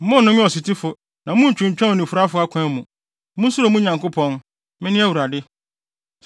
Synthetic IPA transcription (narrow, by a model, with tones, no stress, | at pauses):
m̩˦mʊ̃˦n˦nʊ̃˦mɪ̃˦ɔ˨si˨tʰi˦fʊ˨ | nã˨mũ˦ɲ̩˨t͡ɕᶣɪ̃˨ɲ̩˨t͡ɕᶣã˦o˨nĩ˨fu˨ɾa˦fʊ˦a˦kʷʰã˦mũ˨ | mũ˦su˦ɾo˨mũ˦ɲã˨ŋko˦pʰɔ̃˦n | mɪ̃˦nɪ̃˦æ˦wu˨ɾa˨dɪ˦